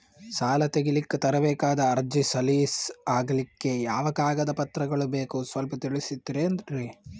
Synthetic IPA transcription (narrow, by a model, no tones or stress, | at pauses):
saːlɐt̪eɡilikːet̪ɐɾɐbɛːkaːd̪ɐːɾd͡ʒisɐliːsaːɡɐlikːe̞jaːʋɐɡaːɡɐd̪ɐpɐt̪ɾɐɡɐɭubeːkusʋɐlpɐt̪iɭisid̪ːiɾeːnd̪ɐɾe